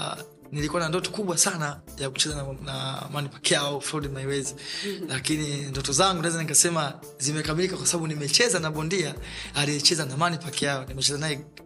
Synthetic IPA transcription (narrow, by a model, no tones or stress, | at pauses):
nilikuwanandɔtɔ̥kuɓwasana | jaku̥t͡ʃɛzannamanipɛ̥kɛjaɔfɾɔdimaiwɛzilakinindɔtɔzaŋɡunaɛzanikasɛma | zimɛkamilikakwasaɓaɓunimɛt͡ʃɛzanaɓɔndiaaliɛt͡ʃɛzanamanipɛkɛjaɔnimɛt͡ʃɛzanajɛ